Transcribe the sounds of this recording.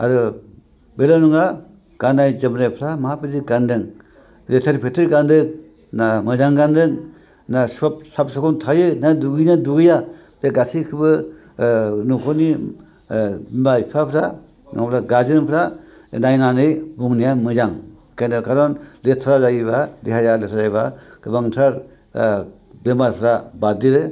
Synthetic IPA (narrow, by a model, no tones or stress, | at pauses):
a̰ɾɯ | belanuŋa | ɡ̥anajzɯmɾajpʰɾamaɦapɯziɡandɯŋ | ɾetʰaɾipʰetʰɯɾɡandɯŋ | namɯzaŋɡandɯŋ | nasɔp̚sap̚sakʰɔntʰajɯnaduɡɯjnaduɡɯja | beɡasikʰɯbɯ | nukʰɔni | bimajpʰapʰɾa | nɔ̰ŋpʰɾaɡazɯŋpʰɾa | najnanɯjbuŋnijamɯzaŋ | kʰajnɯkʰaɾɔnletʰːɾazajbadiɦajaletʰazajbaɡ̥ɯbaŋtʰaɾ | bemaɾpʰɾabadiɾɯ